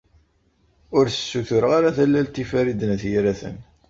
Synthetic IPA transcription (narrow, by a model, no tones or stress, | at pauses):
ʊɾθə̥sːuθʊɾəʁaɾaθælːælt̪ifæɾid̪ənæθjiɾæθə̰n